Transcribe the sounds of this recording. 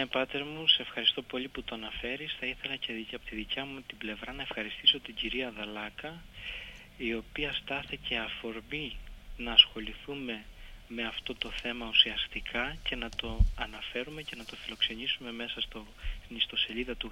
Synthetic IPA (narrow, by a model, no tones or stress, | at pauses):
nepɐt̪e̞ɾmusefxɐɾist̪o̞po̞liput̪o̞ɐnɐfe̞ɾisθɐiθe̞lɐceɐpot̪iðicɐmut̪ible̞vɾɐnɐe̞fxɐɾist̪iso̞t̪iɟiɾiɐðɐlɐkɐ | io̞piɐst̪ɐθice̞ɐfo̞ɾbinɐːsxo̞liθume̞me̞ɐft̪o̞t̪o̞θe̞mɐusiɐst̪ikʰɐce̞nɐt̪o̞ɐnɐfe̞ɾume̞ce̞nɐt̪o̞filo̞kse̞nisume̞me̞sɐst̪o | nist̪o̞se̞ʎiðɐt̪u